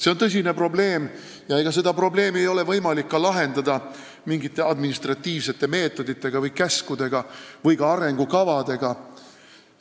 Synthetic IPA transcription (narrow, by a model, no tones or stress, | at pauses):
se̞o̞nt̪ɤs̬ʲine̞pro̞ble̞ːm | jɑeɡ̥ɑs̬e̞d̪ɑpro̞ble̞ːmie̞jo̞le̞vɤjmɑlikːɑlɑɦe̞nd̪ɑd̪̥ɑ | miŋɡit̪ːˑe̞ɑd̪minist̪rɑt̪ːiːvse̞t̪ːˑe̞me̞ːt̪ːˑo̞d̪it̪ːˑe̞ɡ̥ɑvɤjkæskud̪̥e̞ɡ̥ɑvɤjɡɑɑɾe̞ŋɡ̥ukɑvɑd̪̥e̞ɡ̥ɑ